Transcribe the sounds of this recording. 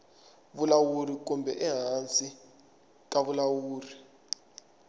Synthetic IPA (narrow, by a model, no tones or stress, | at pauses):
βulawurik̬umbʱɛ̰ʔɛɦant͡sʼi | k̬aβulawuːri